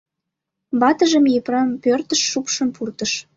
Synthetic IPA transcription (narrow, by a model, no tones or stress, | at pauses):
bɑt̪əʒə̆mjeprɑmpørt̪əʃːupʃəmpurt̪əʃ